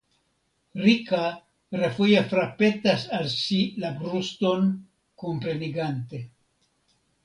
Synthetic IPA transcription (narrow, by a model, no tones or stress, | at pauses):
ɾika | ɾefujefɾape̞tasalsilabɾusto̞n | kompɾe̞niɡante̞